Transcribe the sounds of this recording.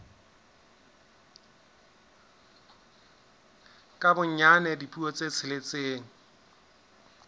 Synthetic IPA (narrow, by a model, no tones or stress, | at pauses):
kʼabʊɲɲanɛdipʼuɔt͡sʼet͡sʰɪlet͡seːŋ̩